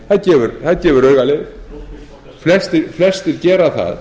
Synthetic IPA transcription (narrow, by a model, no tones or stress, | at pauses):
θaðcɛːvʏɾθaðcɛːvʏɾœːɥɣalɪ | flɛst̪ɪɾflɛst̪ɪɾcɛːɾaθa̰ð